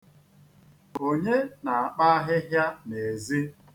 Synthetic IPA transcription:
o˦ɲe˦na˨a˨k͡pa˦ɦɪ˦ɦja˦ne˨zi˦

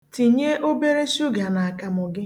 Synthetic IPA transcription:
ti˨ɲe˦ʔo˦be˦ɾe˦ʃu˦ɡa˨na˨a˨ka˨mʊ˨ɡɪ˦

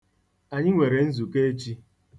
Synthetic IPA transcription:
a˨ɲɪ˦ŋʷe˨ɾe˨n̩˦zu˨ke˦e˦t͡ʃi˦

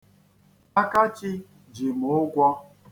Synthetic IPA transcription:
a˦ka˦t͡ʃɪ˦ | d͡ʒi˨mʊ˨ʊ˦ɡʷɔ˦

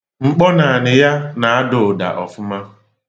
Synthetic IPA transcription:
ŋ͡m̩˨k͡pɔ˦na˨nɪ˨ja˦na˨a˦dʊ˨ʊ˨da̰˨ʔɔ̰˨fʊ˦ma˦

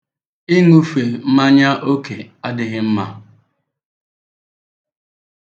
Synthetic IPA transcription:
i˦ŋu˦fe˨m̩˦ma˦ɲa˦ʔo˦kʰe˨a˦dɪ˦ɣɪ˦m̩˦ma˦

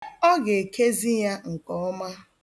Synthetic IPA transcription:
ɔ˦ɡe˨kʰe˦zi˦ja˦ŋ̩˨kɔ˦ma˦

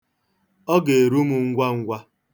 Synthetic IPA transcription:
ɔ˦ɡe˨ɾu˦mu˨ŋ̩˦ɡʷa˦ŋ̩˦ɡʷa˦

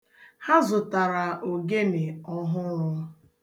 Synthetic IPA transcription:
ha˦zʊ˨ta˨ɾa˨ʔo˨ɡe˦nɪ˨ɔ˦ɦʊ˦ɾɔ˦

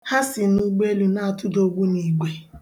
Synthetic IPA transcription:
ha˦sɪ˨nu˦ɡ͡be˦lu˨na˦˨tʊ˦do˦ɡ͡bu˦ni˨ɡ͡be˨

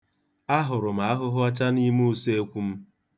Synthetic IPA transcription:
a˦ɦʊ˨ɾʊ˨m̩a˨a˦ɦʊ˦ɦʊ˦a˦t͡ʃa˦ni˦m˦se˦e˦kʷu˦m̩˦

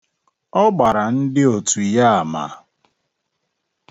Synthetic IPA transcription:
ɔ˦ɡ͡ba˨ɾa˨n̩˦dɪ˦o˨tu˨i˨ja˦a˨ma̰˨

